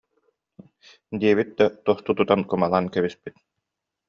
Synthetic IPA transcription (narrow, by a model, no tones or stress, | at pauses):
d̪iɛβit̪̚d̪at̪ɔst̪ut̪ut̪ankumalˠaːnkɛβispit̪̚